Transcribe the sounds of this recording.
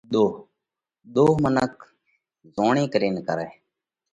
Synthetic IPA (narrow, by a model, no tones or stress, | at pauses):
ɗ̪oː | ɗ̪oːɦmənək̚ | zoːɳẽːkɾeːnkəɾɛː